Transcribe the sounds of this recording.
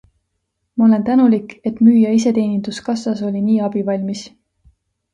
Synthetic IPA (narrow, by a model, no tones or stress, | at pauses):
mɑo̞le̞nt̪ænulikːˑe̞t̪ˑmyːjɑis̬e̞t̪e̞ːnind̪̥uskɑsɑso̞lʲiniːɑb̥ivɑlʲmis